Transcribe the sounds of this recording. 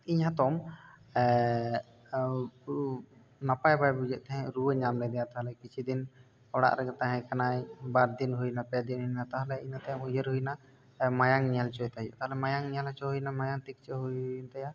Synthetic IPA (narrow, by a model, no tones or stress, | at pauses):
iɲhat̪ɔm | napajbajbud͡ʒɛʔ̚t̪ɛɦɛ̃ɾuwəɲamlɛd̪ɛjat̪aɦalɛkit͡ʃʰid̪in | ɔɽa̰ʔɾɛɡat̪aɦɛ̃kanajbaɾd̪inɦujnapɛd̪ininat̪aɦalɛinat̪ajamujəɾɦujna | majaŋnialt͡ʃɔjt̪ajṵʔt̪aɦalɛmajaŋnijalat͡ʃɔɦujnamajaŋt̪ik̚t͡ʃəɦujnt̪aja